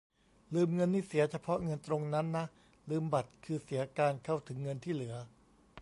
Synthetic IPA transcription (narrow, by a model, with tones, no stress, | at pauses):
lɯː˧mŋɤ˧nːiː˥˩si˩˦ɐt͡ɕʰa˧pʰɔ˦˥ŋɤ˧nt̪ɾo˧ŋna˦˥nːa˦˥ʔ | lɯː˧mba˨˩t̪̚kʰɯː˧si˩˦ɐkaː˧nkʰa˥˩wt̪ʰɯ˩˦ŋːɤ˧nt̪ʰiː˥˩lɯ˩˦ɐ